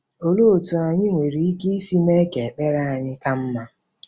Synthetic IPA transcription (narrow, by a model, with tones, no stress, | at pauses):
o˨lo˦o˨tu˨a˨ɲɪ˦ŋʷe˨ɾi˨i˦ki˦i˦si˦me˦ke˨k͡pe˦ɾa˦a˨ɲɪ˦ka˦m̩˦ma˦